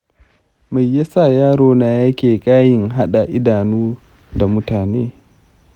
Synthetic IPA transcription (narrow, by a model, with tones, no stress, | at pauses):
ma˨jːa˦sa˦˨jaː˦ɽoː˦naː˨˦ja˦kʲeː˨kʼaː˦jɪ˨ŋɦa˦ɗa˨ʔɪ˦daː˨nuː˦ | da˨mʊ˦taː˨neː˦